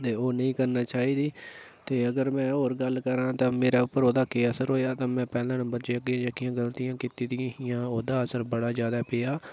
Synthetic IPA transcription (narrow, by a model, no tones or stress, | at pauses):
t̪eːoːnəĩːkəɾnaːt͡ʃaːɦiːd̪iː | t̪eːəɡəɾmɛ̃ːoːɾɡəlːkəɾãːt̪ãːmeːɾaːʊpːəɾoːd̪aːkeːəsəɾɦoːeaːt̪ãːmɛ̃ːpɛːlãːnə̃mbəɾd͡ʒekːãːd͡ʒəkɪjãːɡəlt̪ijãːkɪt̪iːd̪ɪjãːɦɪjãːoːd̪aːəsəɾbəɽaːzjaːd̪aːpeːaː